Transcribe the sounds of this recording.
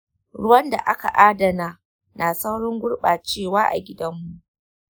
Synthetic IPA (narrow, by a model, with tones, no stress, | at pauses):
ɽʊ˦wɐ˦nda̰˨ʔa˦ka̰˨ʔaː˦dɐ˨naː˦ | naː˨sa˦wɽɔ˦ŋɡʷʊ˦ɽɓaː˨t͡ʃeː˦˨waː˦ʔa̰˨ɡʲɪ˦dɐ˦mːu˨ʔʔ